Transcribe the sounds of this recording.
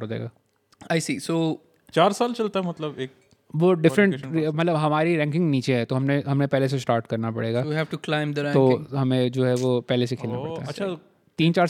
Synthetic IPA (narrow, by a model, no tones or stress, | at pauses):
ɦoːd͡ʒa̰ḛːɡaː | aːɪsiːsoː | t͡ʃaːɾsaːlt͡ʃɐlt̪aɦɛmɐt̪ləbeːk̚ | ʋoɖɪfɾə̃ɳmɐt̪ləbɦɐmaːɾiɾɛ̃ːŋkɪ̃ŋɡniːt͡ʃeɦɛt̪oɦɐmneɦɐmnepɛɦles̬esʈaːɾʈkɐɾnapɐ̰ɽeːɡaːjiɦɛːʋʈuklãɪ̃md̪əɾɛ̃t̪oɦɐmẽd͡ʒoːɦɛʋopɛɦlesekʰeːlnappɐɽt̪a̰ɦɛɐːʃʰa | t̪iːnt͡ʃaːɾ